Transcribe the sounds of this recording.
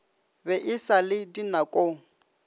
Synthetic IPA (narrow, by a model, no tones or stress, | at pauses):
bɛʔɪsalɪdinakʼoŋ̩